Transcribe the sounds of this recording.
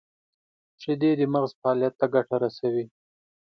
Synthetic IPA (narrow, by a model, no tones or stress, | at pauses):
ʃed̪ed̪əmaɣzfaɑlijat̪ːaɡaʈaɾasawi